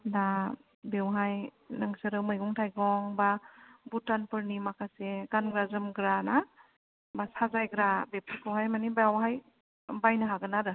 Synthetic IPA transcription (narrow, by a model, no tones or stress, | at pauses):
da | bewɦaj | nɯŋsɯɾɯwmɯjɡɔŋtʰajɡɔŋbabutanpɯɾnimakʰaseɡanɡɾazɯmɡɾana | basazajɡɾabepʰɯkʰawɦajmanibaawɦaj | bajnaɦaɡɯnaɾɯ